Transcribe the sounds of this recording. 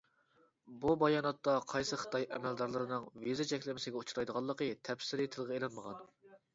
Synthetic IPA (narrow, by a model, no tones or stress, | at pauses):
bubɑjɑːnɑt̪ːɑqʰɑjsɨχə̥t̪ɑjɛ̰mɛld̪ɑɾlˠɨɾɨnɨŋvizɨt͡ʃʰɛkʲlɪmɪsɪɡʲɛut͡ʃʰuɾɑjd̪əʁɑlˠːəqət̪ʰɛpsɪɾɨt̪ʰɨlˠʁɑelˠɑnməʁɑn